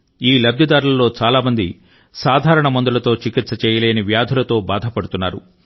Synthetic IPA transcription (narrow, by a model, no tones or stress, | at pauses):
iːlɐb̚d̪jɐd̪aːɾulɐlːo̞ːt͡ʃaːlaːmɐnd̪i | saːd̪ʱaːɾɐɳɐmɐnd̪ulɐt̪o̞ːt͡ʃikit̪sɐt͡ʃɛːjɐleːniʋjaːd̪ʱulɐt̪o̞ːbaːd̪ʱɐpɐɽut̪unːaːɾṵ